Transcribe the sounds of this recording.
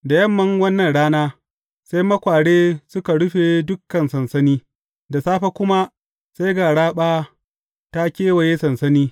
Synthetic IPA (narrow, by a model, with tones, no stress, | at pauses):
da˨jɐ˦mːɐ˦ŋwɐ˦nːɐ˨nɽaː˦naː˦ | sa˦jmɐ˦kʷaː˨ɽeː˦sʊ˦ka˨ɽʊ˦ɸeː˨dʊ˦kːɐ˨nsɐ˨nsɐ˦niː˦ | da˨saː˦ɸa˦kʷʊ˦ma˦ | sa˦jɡaː˨ɽaː˦ɓaː˦ | ta˦kʲeː˦wɐ˨je˦sɐ˨nsɐ˦niː˦